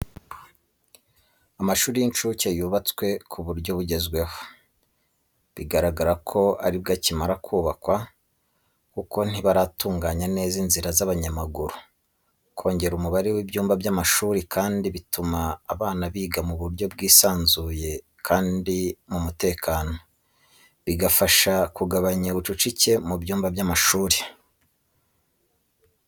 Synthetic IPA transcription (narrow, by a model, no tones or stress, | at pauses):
amaʃuːɾijint͡ʃucejuβat͡swe̞kʰuβuɾɟo̞βuɟe̞zɡwe̞ho̥ | βiɡaɾaɡaɾakʰo̞aɾib̚ɡacimaɾakʰuːβakwa | kuko̞n̥iβaɾatuːŋɡaːɲane̞ːzinziɾazaβaɲamaɡuɾu | kʰo̞ːɲɟe̞ɾumuβaɾewibjuːmbabjamaʃuːɾekʰaːndiβitumaːβaːnaβiːɡamuβuɾjo̞bɡiːsaːnzuje̞ | kʰaːndimumute̞ːkʰaːno̞ | βiɡafaʃakuɡaβaɲaβut͡ʃut͡ʃice̞mubjuːmbabjamaʃuːɾe